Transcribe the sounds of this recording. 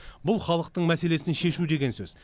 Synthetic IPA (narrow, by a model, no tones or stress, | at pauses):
bʊlˠχɑlˠəq̚t̪əɴmæse̞le̞sɪnʃe̞ʃud̪e̞ɡʲe̞nsɵz̥